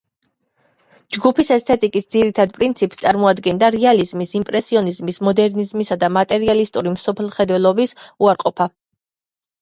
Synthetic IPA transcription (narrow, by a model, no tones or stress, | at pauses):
d͡ʒɡupʰisɛst̪ʰɛt̪ʼikʼisd̪ziɾit̪ʰad̪̚pʼɾint̪sʰipst̪sʼaɾmɔad̪ɡɛnd̪aɾɛalizmisimpʼɾɛsiɔnizmismɔd̪ɛɾnizmisad̪amat̪ʼɛɾialist̪ʼuɾimsɔpʰɛlˠχɛd̪wɛlˠɔbisuaɾqʼɔpʰa